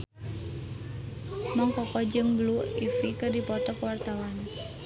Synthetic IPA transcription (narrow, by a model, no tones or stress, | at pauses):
maŋkɔkɔd͡ʒəŋbluifikərdipɔt̪ɔkəwart̪awan